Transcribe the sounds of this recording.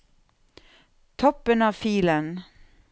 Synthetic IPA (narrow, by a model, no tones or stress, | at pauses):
t̪ʰɔpːənɑːʋfiːlən